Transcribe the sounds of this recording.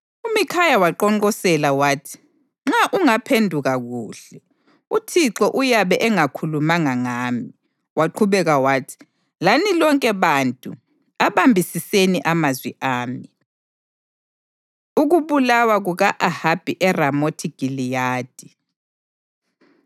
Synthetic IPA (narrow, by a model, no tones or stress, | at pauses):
umikʰajawaǃɔŋɔsɛlawaːtʰi̥ | ŋ͡ǁaʔuŋapʰendʱuɣaɣuːɬɛ | utʰiǁɔʔujaβɛʔɛŋakʰulumaŋaŋaːmi | waǃʰuβɛɣawaːtʰi̥ | lanilɔŋkʼɛβantʼṵ | aβambʱisiseniʔamazwiʔaːmi | uɣuβulawaɣuɣaʔahab̥ʱiʔɛramotʰiɡ̥ʱilijaːd̥ʱi